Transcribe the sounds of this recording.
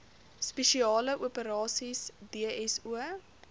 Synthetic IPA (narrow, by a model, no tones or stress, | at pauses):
speʃiɑːləʔuəpəɾɑːsisdiəɛsuə